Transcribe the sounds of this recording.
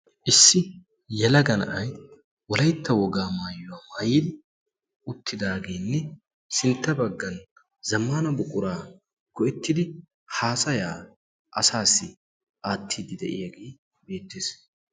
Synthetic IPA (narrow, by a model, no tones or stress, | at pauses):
ʔɪsːɪ | jɛlɐɡɐnɐ̰ʔɐj | wɔlɐjt̪ːɐwɔɡaːmaːjːʊwɐmɐjiːd̪ɪ | ʊt̪ʰːɪd̪aːɡeːnːɛ | sɪnt̪ːɐbɐɡːɐn | zɐmːaːnɐbʊkʼʊɾaː | ɡ̥ɔʔɛt̪ːɪd̪ɪ | haːsɐjaː | ʔɐsaːsːɪ | ʔaːt̪ːiːd̪ɪd̪ɛ̰ʔɪ̰jɐɡeː | be̞ːt̪ːeːs